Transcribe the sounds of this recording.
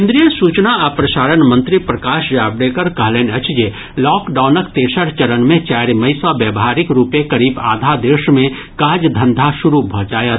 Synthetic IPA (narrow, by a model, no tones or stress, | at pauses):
kɪ̃nd̪ɾijəsuːt͡ʃnaapɾɐʃaːɾənmɐ̃nt̪ɾipɾɐkaːʃjaːbɽeːkəɾkɐɦleːnɐt͡ʃd͡ʒe | lɔːkɖaːʊnəkt̪eːʃəɽt͡ʃɐɾənmẽt͡ʃaːɾemɐisɔʋeːbɦaːɾɪkɾuːpekɐɾiːba̰ːd̪ʱad̪eːʃmẽ | kaːd͡ʒd̪ʱɐ̃nd̪ʱaʃʊɾubʱɔ̃t͡ʃaːjət̪